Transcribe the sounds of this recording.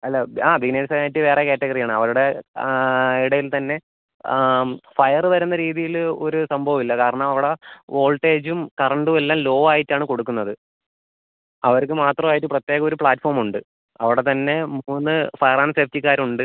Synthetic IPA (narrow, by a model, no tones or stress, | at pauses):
ɐlːɐaːbineːnsɐaːjitːɨʋe̞ːrekeːtːeɡɐrijaːɳɨɐʋɐɭuɽe̞ | iɽɐjilt̪ɐnːe̞ | fɐjɐrɨʋɐɾun̪ːɐɾiːðijilo̞ɾusɐmbʱɐʋɐmilːɐkaːɾɐɳɐmɐʋiɽeʔo̞ːlʈe̞ːd͡ʑumkɐrɐɳɖumelːaːmlo̞ːʋaːjitːaːɳɨko̞ɽukːunːɐðɨ | ɐʋɐɾk̬ːɨmaːt̪rɐmaːjiʈːɨprɐt̪ːjeːɣɐo̞ɾupɭaːtːfoːrmuɳɖɨ | ɐ̰ʋiɽe̞t̪ɐnːe̞muːnːɨfɐjɐraːnseftikʲːaːɾuɳɖɨ